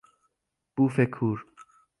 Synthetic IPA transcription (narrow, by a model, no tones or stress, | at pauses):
b̥uːfekʰuːɾ